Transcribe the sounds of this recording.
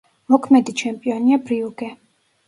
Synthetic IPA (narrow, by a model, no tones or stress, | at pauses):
mɔkʰmɛd̪it͡ʃʰɛmpʼiɔniapɾiukʼɛ